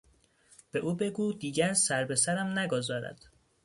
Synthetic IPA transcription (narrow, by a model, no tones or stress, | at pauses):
b̥e̞ʔuːbe̞ɡuːd̪iːɟæɾsæɾbe̞sæɾæmnæɡozɒːɾæ̰d̪̥